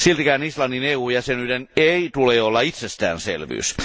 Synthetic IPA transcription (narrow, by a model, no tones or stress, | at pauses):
silt̪ikæːnislɑnːineuːjɑsenyd̪eneit̪uleːolːɑit̪sest̪æ̰ːnsḛlʋy̰ːs